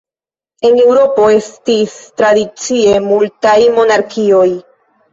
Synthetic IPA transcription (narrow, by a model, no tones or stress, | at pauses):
e̞ŋe̞wɾo̞po̞e̞stistɾadit͡sie̞multajmo̞naɾkio̞j